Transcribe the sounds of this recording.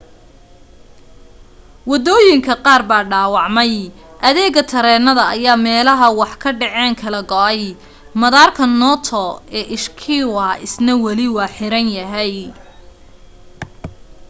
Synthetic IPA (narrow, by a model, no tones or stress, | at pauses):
wɑd̪ɔːjɪŋkʰɐqɑːrbaːɖaːwɑʕmɛj | ʔɐðɛːɣɐt̪ʰɐɾɛːnɐðɐʔɐjaːmɛːlɐɦɐwɑħkʰɐɖɛʕɛːŋkʰɐlɐɡɔʔɛj | mɐðaːrkʰɐnɔt̪ʰɔɛːʔɪʃkʰɪwɐɪsnɐwɐlɪwɑːħɪɾɐnjɐɦɛj